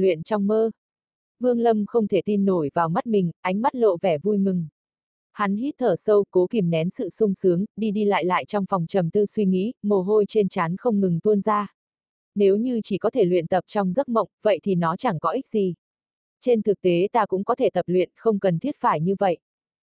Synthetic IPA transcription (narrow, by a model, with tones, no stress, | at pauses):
lwḭ˧˨ənt͡ɕɔ˧wŋ͡mməː˧ | vɨ˧əŋlə˧mxə˧wŋ͡mt̪ʰe˧˩t̪i˧nːo˧˩jvaː˨˩wma˦˥t̚mï˨˩ŋ̟ʔa˧˩jŋ̟ma˦˥t̚lo̰˧˨vɛ˧˩vu˧jmɨ˨˩ŋ | ha˨˦nhi˦˥t̚t̪ʰəː˧˩sə˧wko˨˦ki˧˩mnɛ˨˦nsɨ̰˧˨sʊ˧ŋ͡msɨ˨˦əŋɗi˧ɗi˧la̰ː˧˨jla̰ː˧˨jt͡ɕɔ˧wŋ͡mfɔ˨˩wŋ͡mt͡ɕə˨˩mt̪ɨ˧swi˧ŋḭ˧˥mo˨˩ɦo˧jt͡ɕe˧nt͡ɕaː˨˦nxə˧wŋ͡mŋɨ˨˩ŋt̪u˧ənzaː˧ | ne˨˦wɲɨ˧t͡ɕi˧˩kɔ˨˦t̪ʰe˧˩lwḭ˧˨ənt̪ə˨˩p̚t͡ɕɔ˧wŋ͡mzə˦˥t̚mə̰˧˨wŋ͡mvə̰˧˨jt̪ʰi˨˩nɔ˨˦t͡ɕa˧˩ŋkɔ˨˦ʔi˦˥k̚zi˨˩ | t͡ɕe˧nt̪ʰɨ˨˩k̚t̪e˨˦t̪aː˧kʊ̰˧˥ŋ͡mkɔ˨˦t̪ʰe˧˩t̪ə˨˩p̚lwḭ˧˨ənxə˧wŋ͡mkə˨˩nt̪ʰi˦˥ət̚faː˧˩jɲɨ˧və̰˧˨jʔ